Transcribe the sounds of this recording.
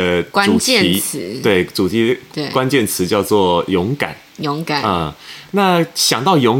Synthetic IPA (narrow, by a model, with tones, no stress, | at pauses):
ka˦u˩ɛ˥˨i˧˥t͡sʰt̪we˥˩ɪt͡su˨˩t̪ʰi˧˥˧e˩kwa˥˦nt͡ɕjɛ˥˩nt͡sʰɹ̩˧˦t͡ɕjɑ˥˧ʊt͡swɔ˥˩jʊ˧˥ŋka̰˨˩˦n | jo˧˥ŋka˨˩˦na˥˩ɕjɑ˨˩ŋt̪ɑ˥˩ʊjʊ˧˥ŋ